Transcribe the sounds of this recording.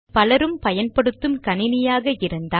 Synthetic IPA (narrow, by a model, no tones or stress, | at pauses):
pɐlɐɾɯmpɐjɐnpɐɽɯt̪ːɯmkɐnɪnɪjaːɣɐɪɾɯnd̪aː